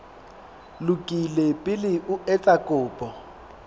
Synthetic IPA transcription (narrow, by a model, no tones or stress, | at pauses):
lʊkʼilepʼɪlɪʔʊɛt͡sʼakʼʊːpʼɔ